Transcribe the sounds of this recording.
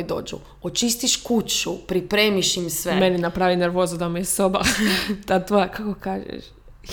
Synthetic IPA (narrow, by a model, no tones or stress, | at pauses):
id̪o̞̰ːd͡ʒṵ | ot͡ʃist̪iʃkut͡ɕupɾipɾeːmiʃimsʋemeninapɾaːʋineɾʋo̞ːzud̪amujesobat̪at̪ojakakokaːʒḛʃ